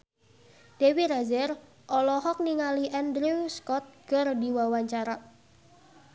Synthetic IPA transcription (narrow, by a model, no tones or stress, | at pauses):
d̥ewiɾazɛr | ʔɔlɔhɔk̚niŋaliʔɛnd̪ɾiwskɔt̪̚ɡ̥ə̤rdiwawaɲt͡ʃaɾa